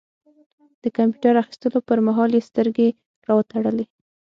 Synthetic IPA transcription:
d̪̥əkampjuʈaɾaxi̥st̪əlopəɾmaɦɑljest̪əɾɡe | ɾɑwət̪aɽəle

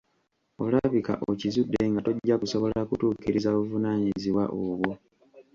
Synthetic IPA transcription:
o̰laβika̰ʔo̞cizudːeŋɡato̞ɟːakuso̞βo̞lakutuːkiɾizaβuvunaːɲiziwa̰ʔoβwo̞

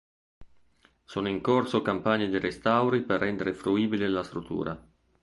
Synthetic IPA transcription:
soːnoiŋkorsokampaɲːed̪iɾʔest̪awɾiperːɛnd̪eɾefɾuiːbilelast̪ɾut̪ːṵːɾʔa

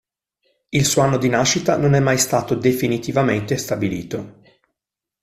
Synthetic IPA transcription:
ilsuːoanːod̪inaʃːit̪anonɛmːajst̪aːt̪od̪efinit̪ivament̪est̪abilḭːt̪o

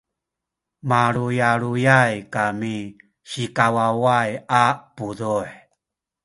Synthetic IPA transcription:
maɾujaɾujajkami | ɕikawawajapuduħ

